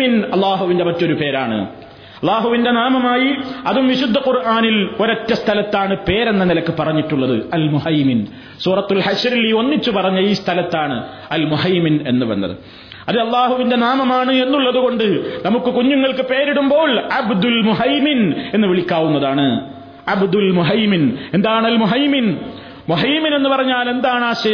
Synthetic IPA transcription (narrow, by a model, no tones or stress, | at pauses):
inɐlːaːɦuʋinde̞mɐtːo̞ɾupe̞ːɾaːɳɨ̰ | ɐlˠːaːɦuʋinde̞naːmɐmaːjiɐðumʋiɕud̪ʱːɐqurʔaːnilo̞ɾɐtːɐst̪ʰɐlɐt̪ːaːɳɨpe̞ːɾe̞nːɐnilɐkːɨpɐrɐɲːiʈːuɭːɐðɨ̰ɐlmuhɐjmin | suːrɐt̪ːulħɐɕɾilio̞nːit͡ɕːupɐrɐɲːɐiːst̪ʰɐlɐt̪ːaːɳɨ | ɐlmuɦɐjmine̞nːɨʋɐ̰nːɐ̰ðɨ̰ | ɐðɨɐlˠːaːɦuʋinde̞naːmɐmaːɳɨe̞nːuɭːɐðuɣo̞ɳɖɨnɐmukːɨkuɲːuŋːɐɭkɨpe̞ːɾiɽumbo̞ːlʕabd̪ulmuɦɐjmine̞nːɨʋiɭikʲːaːwunːɐðaːɳɨ | ʕabd̪ulmuɦɐjmine̞nd̪aːjɳɐlmuɦɐjmin | muɦɐjmːine̞nːupɐrɐɲːaːle̞nd̪aːɳaːɕɐj